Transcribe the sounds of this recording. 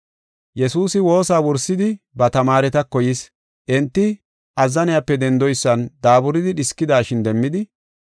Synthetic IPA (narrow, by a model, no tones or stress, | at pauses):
jɛsuːsɪwo̞ːsaːwɔɾsɪd̪ɪ | bɐt̪ɐmaːɾɛt̪ɐkːɔjɪs | ʔɛnt̪ːɪ | ʔɐzːɐnɪjapːɛd̪ɛnd̪ɔjsːɐnd̪aːbʊɾɪd̪ɪɗɪskːɪd̪aːʃɪnd̪ɛmːɪd̪ɪ